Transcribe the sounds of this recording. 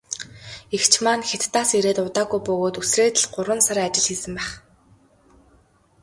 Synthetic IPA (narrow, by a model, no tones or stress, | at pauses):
ekt͡ɕʰmaːnxet̪ːaːsiɾeːt̪ʊt̪aːɣujpɵɣoːt̪ɵsreːt̪ɘ̆ɮɢ̥ʊɾwə̆nsaɾat͡ɕɪ̆ɮxiːsɘ̆mpæːχ